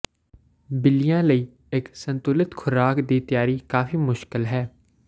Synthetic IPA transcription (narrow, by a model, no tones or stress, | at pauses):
bɪlɪjãːləiː | ɪksə̃nt̪ʊlɪt̪kʰʊɾaːkd̪iːt̪ɪjaːɾiːkaːfiːmʊʃkɪlɦɛː